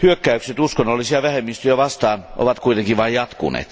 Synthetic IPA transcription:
hyøkːæykset̪uskonːolːisiɑʋæhemːist̪yjæʋɑst̪ɑːnʔo̰ʋɑt̪kuit̪eŋkiʋʋɑijjɑt̪kṵnḛːt̪

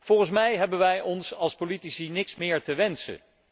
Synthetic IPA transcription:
v̥ɔlˠχəns̬mɛjɦɛbənʋɛjɔnsɑlˠspolitisinɪksmɪːɹtəʋɛnsə̰

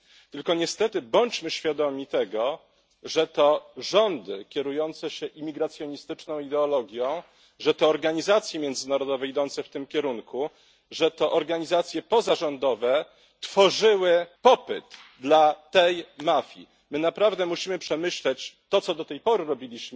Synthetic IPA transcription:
t̪ɘlkɔɲɛst̪ɛt̪ɘbɔɲt͡ɕmɘɕfʲjad̪ɔmʲit̪ɛɡɔ | ʐɛt̪ɔʐɔnd̪ɘkʲɛɾujɔnt̪sɛɕɛʔimʲiɡɾat̪sʲjɔɲist̪ɘt͡ʂnɔ̃w̃id̪ɛɔlɔɡʲjɔ̃w̃ | ʐɛt̪ɔːɾɡaɲizat̪sjɛmʲjɛnd̪zɘnaɾɔd̪ɔvɛid̪ɔnt̪sɛft̪ɘmkʲɛɾuŋku | ʐɛt̪ɔʔɔɾɡaɲizat̪sʲjɛpɔzaʐɔnd̪ɔvɛ | t̪fɔʐɘwɘpɔpɘ̰t̪d̪lat̪ɛjmafʲjḭ | mɘnapɾavd̪ɛmuɕimɘpʂɛmɘɕlɛt͡ɕt̪ɔt̪sɔd̪ɔt̪ɛjpɔɾɘɾɔbʲilʲiɕm

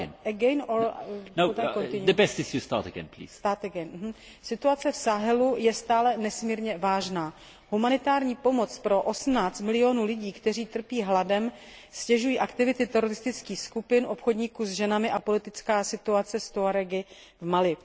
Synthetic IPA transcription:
nɛɡɛjnonoakonɪɲud̪ɛpɛst̪ɪsust̪a̰ːt̪ɛɡɛ̰nplḭst̪aːt̪ɛɡɛnm̩ɦm̩ | sɪt̪uat͡sɛfsaɦɛlujɛst̪aːlɛnɛsmiːɾɲɛvaːʒnaː | ɦumanɪt̪aːɾɲiːpo̞mo̞t͡spɾo̞ʔo̞sm̩naːt͡st̪mɪlɪo̞nuːlɪɟiːkt̪ɛriːt̪r̩piːɦladɛm | scɛʒujiːʔakt̪ɪvɪt̪ɪt̪ɛɾo̞ɾɪst̪ɪt͡skiːxskupɪnʔo̞pxo̞dɲiːkuzʒɛnamɪʔapo̞lɪt̪ɪt͡skaːsɪt̪uat͡sɛst̪oaɾɛɡɪ | vmalɪ

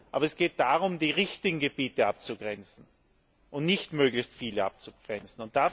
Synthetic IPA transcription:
ʔaːbɐɛsɡ̥eːt̚d̥aʁʊmdiːʁɪçtɪɡŋ̩ɡəbiːtəap̚t͡suɡʁɛnt͡sn̩ | ʔʊntnɪçtmøːɡlɪçstfiːləʔa̰p̚t͡suɡ̥ʁɛnt͡sn̩ʊntd̥a

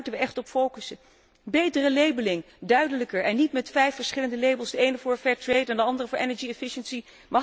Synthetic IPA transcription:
təʋəʔɛχtɔpfowkəsə | bejtərəlejbəlɪŋ | dœɥdələkəɹɛnːitmɛtfɛjfəɹsχɪləndəlejbəlˠsdəejnəvʊːɹfɛːɹtrejtɛndəɑndərəvʊːɹʔɛnəɹd͡ʒiɛfɪʃənsi | mɑ

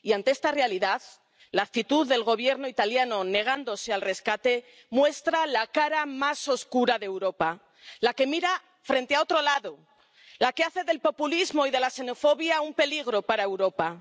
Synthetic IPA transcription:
iant̪e̞e̞st̪arealiðað | laːk̚t̪it̪uððːe̞lɣ̞o̞β̞je̞ɾno̞it̪aljano̞ne̞ɣ̞and̪o̞se̞alre̞skat̪e̞ | mwe̞st̪ɾalakaɾamaso̞skuɾaðewɾo̞pa | lake̞miɾa | fɾe̞nt̪eao̞t̪ɾo̞laðo̞ | lake̞aθe̞ðe̞lpo̞pulizmo̞iðe̞lase̞no̞fo̞βjaumpe̞liɣ̞ɾo̞paɾae̞wɾo̞pa

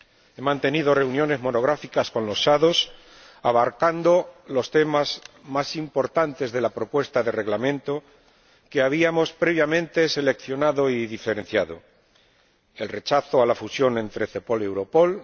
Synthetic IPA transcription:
e̞mãnt̪e̞niðo̞re̞unjo̞ne̞zmo̞no̞ɣ̞ɾafikasko̞nlo̞sːaðo̞s | aβaɾkand̪o̞lo̞st̪e̞mazmasimpo̞ɾt̪ant̪e̞zðe̞lapɾo̞pwe̞st̪aðe̞re̞ɣlamẽ̞nt̪o̞ | ke̞aβ̞iamo̞spɾe̞β̞jamẽ̞nt̪e̞se̞le̞kθjo̞naðo̞iðife̞ɾẽ̞n̟θjaðo̞̰ | e̞lre̞t͡ʃaθoalafusjo̞nẽ̞nt̪ɾe̞θe̞po̞le̞wɾo̞po̞l

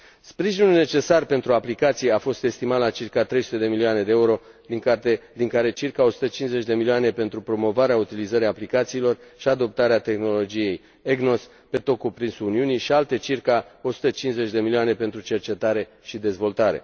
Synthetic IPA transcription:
spɾiʒinulne̞t͡ʃe̞sarpe̞nt̪ɾuaplikat̪sijeafo̞st̪e̞st̪imat̪lat͡ʃirkat̪ɾejsu̥t̪e̞d̪e̞milioane̞d̪eeuɾo̞d̪iŋkat̪ed̪iŋkaɾe̞t͡ʃirkao̞su̥t̪ət͡ʃinze̞t͡ʃʲd̪e̞milioane̞pe̞nt̪ɾupɾo̞mo̞vaɾeaut̪ilizəɾiaplikat̪siːlo̞rʃiad̪o̞p̚t̪aɾeat̪e̞xno̞lo̞d͡ʒije̞j | eɡno̞s | pe̞t̪o̞kupɾinsuuniuniʃialt̪e̞t͡ʃirkao̞su̥t̪ət͡ʃinze̞t͡ʃʲd̪e̞milioane̞pe̞nt̪ɾut͡ʃe̞rt͡ʃe̞t̪aɾe̞ | ʃid̪e̞zvo̞lt̪aɾe̞̰

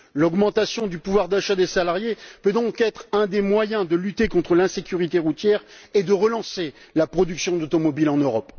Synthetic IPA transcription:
lɔɡmɑ̃t̪asjɔ̃d̪ypuvwaʁd̪aʃad̪esalaʁjepød̪ɔ̃kɛt̪χɛ̃d̪emwajɛ̃d̪əlyt̪ekɔ̃t̪χəlɛ̃sekʲyʁit̪eʁut̪jɛʁed̪əʁəlɑ̃se | lapχɔd̪yksjɔ̃d̪ot̪ɔmɔbilɑ̃nøʁɔp

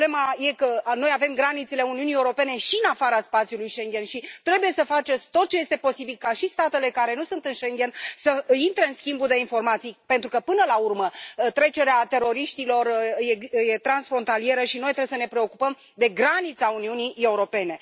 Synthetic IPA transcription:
blemaje̞kəno̞jave̞mɡɾanit̪sele̞uniunie̞uɾo̞pe̞ne̞ʃiɨnafaɾaspat̪sʲjulujʃe̞ŋɡʲe̞nʃit̪ɾe̞buje̞səfat͡ʃe̞sʲt̪o̞t̪̚t͡ʃe̞je̞st̪e̞po̞sibilkaʃist̪at̪e̞le̞kaɾe̞nusunt̪ɨnʃeŋɡʲe̞nsəint̪ɾeɨnskʲimbuld̪e̞info̞rmat̪sijpent̪ɾukəpɨnəlaurmət̪ɾe̞t͡ʃe̞ɾeat̪e̞ɾo̞ɾiʃt̪ilo̞rjejet̪ɾansfɾo̞nt̪alie̞ɾəʃino̞jt̪ɾeesəne̞pɾe̞o̞kupəm | d̪e̞ɡɾanit̪sauniunie̞uɾo̞pe̞ne̞

